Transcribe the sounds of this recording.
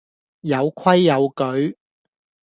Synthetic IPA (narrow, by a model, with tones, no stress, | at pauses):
jɐ˨˧wkʰɐ˥jːɐ˨˧wkɵ˨˧ɥ